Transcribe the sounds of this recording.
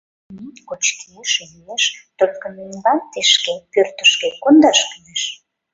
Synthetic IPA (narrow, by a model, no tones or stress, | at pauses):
nikot͡ɕkʰeeʃemeʃt̪olʲkə̆nenbɑnt̪eʃkepørt̪ə̥̆ʃkekond̪ɑʃkyjeʃ